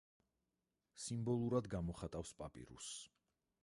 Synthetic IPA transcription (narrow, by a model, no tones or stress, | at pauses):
simbɔlˠuɾad̪ɡamɔχat̪ʼafspʼapʼḭɾṵs